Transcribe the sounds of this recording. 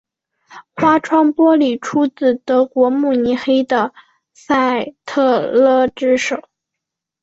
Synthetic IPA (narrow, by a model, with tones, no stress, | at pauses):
xwa˥ʈ͡ʂʰwɑ˥ŋpwɔ˥li˨˩ʈ͡ʂʰu˥t͡sɹ̩˨˩t̪ɤ˧˥kwɔ˧˥mu˥˩ni˧˥xe˥ɪd̪ə˨˧ | sa˥˩ɪt̪ʰɤ˥˧lɤ˥ʈ͡ʂɻ̩˥ʂo˨˩˦ʊ